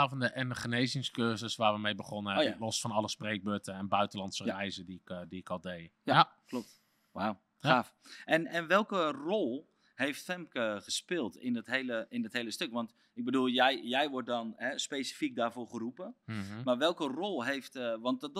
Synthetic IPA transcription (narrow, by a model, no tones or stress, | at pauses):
afɔndəɛnəχənejzɪŋskøːzəsʋaːrʋəmejbəχɔnəɛlɔsfɔnɑlˠəspreːk̚bøtəɛnbœɥtəlɑntsərɛjzədiɪkdiɪkɔlˠdejjaklop̚t | ʋaw | aːfʔɛnɛnʋɛlˠkərolˠ | hejftfɛmkəχəspɪːlˠtɪnɪtɦejləɪndɔtɦejləstøkʋɑnt | ɪɡ̚bədulˠjjjɛjʋʊɹt̚dɔnɦɛspeːsi̥fik̚daːrvʊːɹχərupəmarʋɛlˠkərolˠɦeftʋɑnt